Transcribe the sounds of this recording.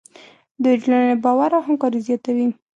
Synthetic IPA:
d̪əd͡ʒlannebɑwaɾawɦamkɑɾizjɑt̪awi

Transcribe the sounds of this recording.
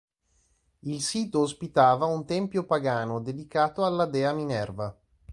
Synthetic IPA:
ilsiːt̪oːspit̪aːvaunt̪ɛmpjopaɡaːnod̪ed̪ikaːt̪oalːad̪ɛːaminɛrva

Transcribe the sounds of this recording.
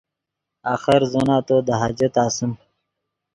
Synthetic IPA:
aːxɐɾzonaːt̪oːd̪ɐɦad͡ʑɐt̪aːsim

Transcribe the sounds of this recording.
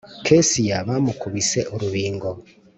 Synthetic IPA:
kʰesijaβamukuβise̞ʔuɾuβiːŋɡo

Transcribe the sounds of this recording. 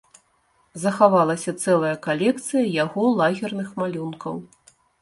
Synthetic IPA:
zɐxavalˠɐsʲɐt̪sɛlˠɐjɐkalʲɛk̚t̪sɨjɐjaɣɔlˠaɣʲɛrnɨxmalʲunkɐw

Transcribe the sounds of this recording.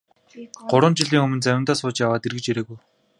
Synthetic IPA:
ɢ̥ʊɾə̆nt͡ɕiɮiːŋɵmɵ̆nt͡sæwʲɪ̆nt̪aːsʊːt͡ɕjawaːt̪erɣɘ̆t͡ɕeɾeːɣuj

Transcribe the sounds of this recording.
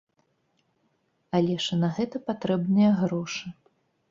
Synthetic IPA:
ɐlʲɛʂɐnɐɣɛt̪ɐpat̪ɾɛbnɨjɐɣɾɔʂɨ

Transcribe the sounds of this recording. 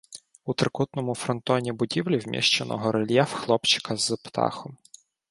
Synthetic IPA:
ut̪ɾɪkut̪nɔmʊfɾɔnt̪ɔnʲibʊdʲiwlʲiwmʲḭʃt͡ʃenɔ̰ɦɔɾelʲjɛfxlˠɔpt͡ʃɪ̥kʰɐzpt̪ɑ̰xɔm

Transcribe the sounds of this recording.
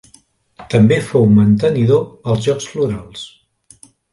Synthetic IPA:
t̪əmbefowmənt̪əniðoəlˠzʒɔksfluɾalˠs

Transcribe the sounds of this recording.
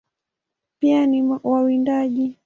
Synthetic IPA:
pianiwawindaʄi

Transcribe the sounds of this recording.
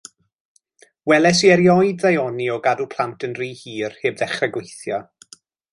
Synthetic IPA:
wɛlɛs̬iɛɾjɔjdðajɔniɔɡadupʰl̥ˠantʰənriːhiːrheːbðɛχrɛɡwejθjɔ

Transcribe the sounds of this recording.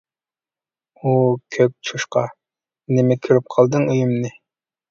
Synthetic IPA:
ukʲʰøk̚ʲt͡ʃʰuʃqɑ | nɪmɛkʲʰyɾyp̚qʰɑlˠd̪ɨŋyjymnɨ

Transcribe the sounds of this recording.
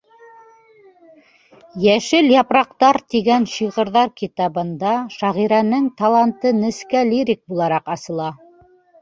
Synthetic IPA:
jæʃɘljɑpɾɑqt̪ɑɾt̪iɡænɕiʁɤ̆ɾðɑɾkit̪ɑβɤ̆nd̪ɑʃɑʁiɾænɘŋt̪ɑlˠɑnt̪ɤnɘ̆skælʲiɾʲik̚bulˠɑɾɑqɑsɤ̆lˠɑ

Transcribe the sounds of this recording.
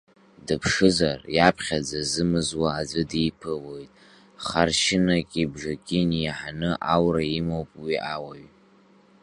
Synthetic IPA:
dɨpʰʂɨzarjapʰχʲad͡zazɨmɨzwaːd͡zʷɨdijpʰɨwo̞jtʼ | χarʃɪnakʲʼibʐakʲʼinjaħanɨʔawraimowpʼwiʔawaɥ

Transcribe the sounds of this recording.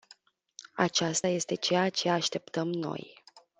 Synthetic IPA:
a̰t͡ʃast̪aje̞st̪e̞t͡ʃejat͡ʃe̞aʃt̪e̞p̚t̪əmno̞̰j

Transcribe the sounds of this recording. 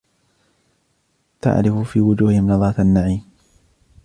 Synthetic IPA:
t̪a̰ʕɾɪfʊfiːwʊd͡ʒuːhɪhɪmnɑðˤɑːt̪ʔanːaʕiːm

